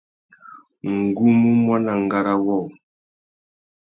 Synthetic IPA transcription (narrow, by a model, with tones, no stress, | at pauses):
ŋ̩˨ɡu˦mu˦mwa˦na˨ŋ˨ɡa˨ɾa˦wɔ˦˨w